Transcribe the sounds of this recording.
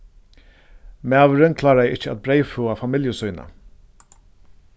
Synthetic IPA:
mæːʋəɾɪnkʰlɑːɾaɪɪt͡ʃːəa̰t̪̚bɾejfuːafamɪljəsɔjna̰

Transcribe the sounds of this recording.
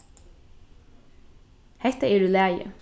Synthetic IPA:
hɛt̪əeːɖʉːlæːjə̰

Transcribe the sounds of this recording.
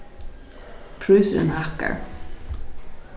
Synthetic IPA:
pʰɾʉːsəɾɛ̰nhaka̰ɹ

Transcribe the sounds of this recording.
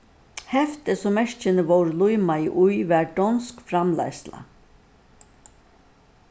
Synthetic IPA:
hɛft̪ɪsɔmɛʂt͡ʃɪnəʋɔwɾlujmajʔujʋæːɹɖɔnskfɾamla̰jsla̰

